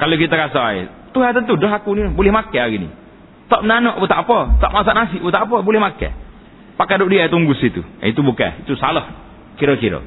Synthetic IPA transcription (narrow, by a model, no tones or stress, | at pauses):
kalokit̪akasaḛ | t̪uɦat̪ənt̪udɔɦakuninbolɛhmakɛaɡinḭ | t̪ɔʔmnanɔʔbut̪apɔt̪ɔ̰ʔmas̬aʔnas̬iʔbut̪apɔbolɛhmakɛ̰ | pakadoʔdiat̪uŋɡusit̪ṵit̪ubukɛ̰it̪usalɔh | kiɾɔkiɾɔ̰